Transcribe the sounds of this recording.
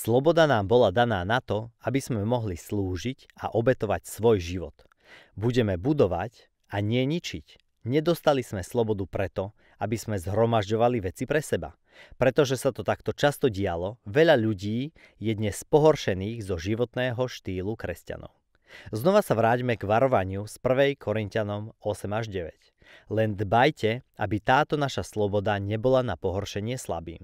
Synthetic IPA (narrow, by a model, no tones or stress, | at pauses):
slɔbɔd̪anaːmbɔlad̪anaːnat̪ɔabiz̥mɛmɔɦlisluːʒic | a̰ʔɔbɛt̪ɔʋacsʋɔjʒiʋɔ̰t̪ | buɟɛmɛbud̪ɔʋac | aɲɪɛɲit͡ʃic | ɲɛd̪ɔst̪alizmɛslˠɔbɔd̪upɾɛt̪ɔ | abiz̥mɛzɦɾɔmaʒɟɔʋaliʋɛt͡sipɾɛsɛba̰ | pɾɛt̪ɔʒɛsat̪ɔt̪akt̪ɔt͡ʃast̪ɔɟɪalɔʋɛʎaʎuɟiː | jɛd̪ɲɛspɔɦɔrʃɛniːɣzɔʒiʋɔt̪nɛːɦɔʃt̪iːlˠukɾɛsca̰nɔ̰ʊ | znɔʋasaʋɾaːɟmɛɡʋaɾɔʋaɲɪuspr̩ʋɛjkʰɔɾincanɔmɔsɛmaʒɟɛʋɛc | lɛnd̪bajcɛa̰bit̪aːt̪ɔnaʃaslɔbɔd̪aɲɛbɔlanapɔɦɔrʃɛɲɪɛsla̰bḭːm